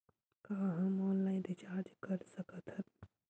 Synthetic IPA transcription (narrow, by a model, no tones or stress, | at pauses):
kaːɦɐ̃mɔːnlaːɪ̃nɾit͡ʃaːd͡ʒkəɾsəkət̪ʰɦə